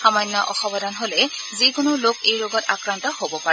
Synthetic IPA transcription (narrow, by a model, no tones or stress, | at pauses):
xamɔjnːɔʔɔxɔbɔdanɦolɛzikʊnʊlokejɹoɡɔtakɹantɔhobɔpaɛ